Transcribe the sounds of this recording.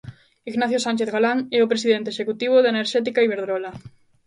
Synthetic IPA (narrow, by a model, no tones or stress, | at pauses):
iɣnaθjosanʲt͡ʃeθɣalaŋɛʊpɾesiðent̪eʃekut̪iβ̞ʊðaeneɾʃɛt̪ikaiβeɾðɾɔla